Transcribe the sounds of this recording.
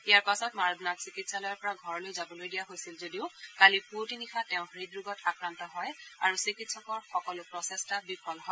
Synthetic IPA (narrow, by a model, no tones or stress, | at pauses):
ijaɹpasɔtmaɹɔd̪natsikitsalɔjɔɹpɔɹaɡʱɔɹɔlojzabɔlojdijaɦojsilzodiʊkaliputinixʰatɛʊ̃ɹidɹuɡɔtakɹantɔɦɔjaɹusikitsɔkɔɹxɔkɔlʊpɹɔsɛstabipʰɔlɦɔ